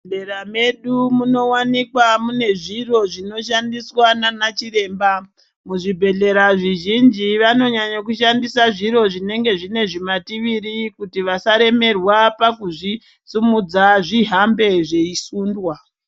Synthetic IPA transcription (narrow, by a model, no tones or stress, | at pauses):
eɾame̞ɗumuno̞wanikwamune̞ʐiro̞ʐino̞ʃandiswananat͡ʃiɾe̞ːmba | muʐibʱe̞ɮe̞ɾaʐiʒind͡ʒiʋano̞ɲaɲak̬uʃandisaʐiɾo̞ʐine̞ŋɡe̞ʐine̞ʐimatiʋiɾikutiʋasaɾe̞me̞rwapakuʐi | t͡sumud͡zaʐiɦambe̞ʐe̞isuːndwa